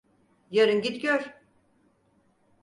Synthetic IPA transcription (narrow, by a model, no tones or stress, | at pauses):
jaɾɯnɟit̪ɟøɾ̥